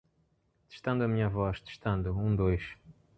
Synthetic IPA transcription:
t̪e̥ʃt̪ɐ̃nd̪uɐmĩɲɐvɔʃt̪e̥ʃt̪ɐ̃nd̪uũd̪ojʃ

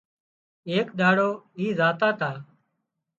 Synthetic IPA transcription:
eːkɗ̪aːɽoːiːzaːt̪aːt̪aː

